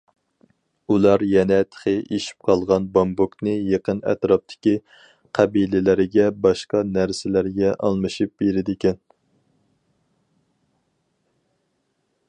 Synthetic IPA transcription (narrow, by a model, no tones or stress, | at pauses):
ulˠɑɾjɛnɛt̪ʰχeʔeʃi̥p̚qʰɑlˠʁɑnbɑmbuknɨjeqənɛ̰t̪ɾɑp̚t̪ʰɪ̥kʲi | qʰɛbilɪlɪɾɪɡʲɛbɑʃqɑnæɾsɪlæɾɡʲɛʔɑlˠmɨʃip̚beɾɪd̪ɪkʲʰɛn